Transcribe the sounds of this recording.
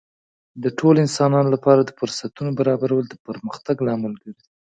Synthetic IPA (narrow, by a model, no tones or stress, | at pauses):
d̪əʈʰoloɪnsɑnɑnolapɑɾad̪əfʊɾsat̪unobaɾɑbaɾawəld̪əpəɾməxt̪aɡlɑmalkaɾi